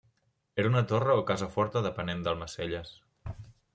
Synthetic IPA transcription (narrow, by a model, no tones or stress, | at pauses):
eɾunət̪orəokazəfɔɾt̪əðəpənend̪əlˠməseʎəs